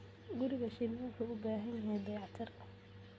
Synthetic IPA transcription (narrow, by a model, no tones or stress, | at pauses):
ɡʊɾɪɣɐʃinmaːŋkʰuʊbaːɦɐnjɐɦɛjd̪ɑjɑʕt̪ʰɐr